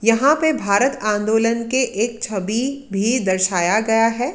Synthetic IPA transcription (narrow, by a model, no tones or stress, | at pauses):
jɐɦãpebʱaːɾət̪ãːnd̪oːlənkeʔeːk̚t͡ʃʰɐbibʱid̪ɐɾʃaːjaɡɐjaɦɛː